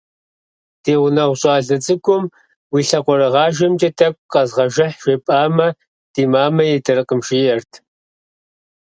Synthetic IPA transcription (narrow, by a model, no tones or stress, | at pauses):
teːʁʷʊnɐwɕʼɑːɮɐt͡sʼɨɡʷʼʊm | wiːɬɐqʷɔɾɨʁɑːʒɐmt͡ʃʼɐtʰɐkʷʼqɐzʁɐʒɪħʃʷeːpʼaːmɐ | d̥iːmaːmɐjɛtʰɐrɨqəmʃijɛrtʰ